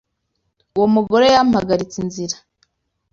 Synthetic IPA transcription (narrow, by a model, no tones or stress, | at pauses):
uwomuɡo̞ɾe̞jammaɡaɾit͡sinziɾa